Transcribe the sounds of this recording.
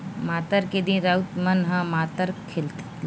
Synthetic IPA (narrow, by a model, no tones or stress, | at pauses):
maːt̪əɾked̪inɾɐut̪mɐnɦãmaːt̪əɾkʰɪlt̪